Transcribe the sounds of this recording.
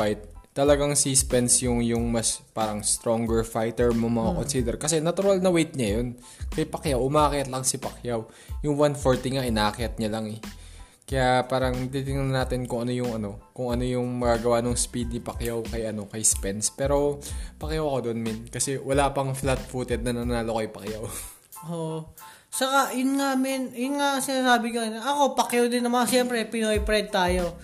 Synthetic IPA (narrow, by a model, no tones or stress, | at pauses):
fajt̪̚ːɐlɐɡaŋsispɛnsjʊŋjʊŋmɐspaːɾɐŋst̪ɾo̞ŋɡɛɹfajt̪ɛɹmomɐŋakonsid̪ɛɾkɐsɛnɐt̪ʊɾalnɐwejt̪̚ɲɐjon | kɐjpɐkjawʔʊmaːkɪɐt̪lɐŋsɪpɐkjaw | jʊŋwanfoɹt̪iŋaʔɪnaːkɪɐt̪̚ɲalaŋɛ | kɐjapaːɾɐŋnɐt̪it̪ɪŋnʊnɐnaːt̪ɪnkʊŋɐno̞jʊŋɐno̞kʊŋʔɐno̞jʊŋmɐɡaːɡɐwanoŋspid̪̚nɪpɐkjawkɐjʔɐno̞kɐjspɛnspɛːɾo̞pɐkjawɐko̞d̪oʔonmɪnkɐsɛwɐlapɐŋflat̪̚fuːt̪ɛd̪̚nɐnɐnaːlokɐjpɐkjaw | ʔoʔ | t͡ʃɐkaʔjʊnŋamɪnjʊnŋasɪnaːs̬aːbɪɲonʔɐko̞pɐkjɐwd̪ɪnːɐmɐŋaʃjɛmpɾɛpɪnojpɾɛd̪̚t̪aːjo̞